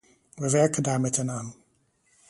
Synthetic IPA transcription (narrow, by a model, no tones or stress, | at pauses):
ʋəʋɛɹkəndaːɹmɛtɛnaːn